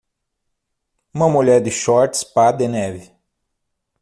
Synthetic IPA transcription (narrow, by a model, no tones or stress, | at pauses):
ũmɐmuʎɛɾd̪ɪʃɔɾt̪spad̪enɛvɪ